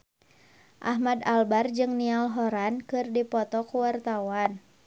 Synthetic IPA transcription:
ʔaɦmadalbard͡ʒɨŋnialɦɔɾankɨrdipɔt̪ɔkuwart̪awan

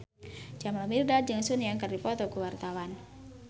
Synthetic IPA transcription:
d͡ʒamlamirdad͡ʒɨŋsunijaŋkərdipɔt̪ɔkuwart̪awan

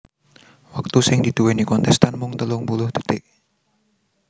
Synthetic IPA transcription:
wak̚t̪usɪŋd̪id̪̥uwɛnikɔnt̪ɛst̪anmʊŋt̪əlʊŋbulʊhd̪̥ə̥t̪ɪʔ̚

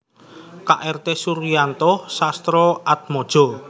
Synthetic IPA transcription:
kaʔɛrt̪esuɾijant̪ɔhsast̪ɾɔʔat̪̚mɔd̥ʒ̥ɔ̤

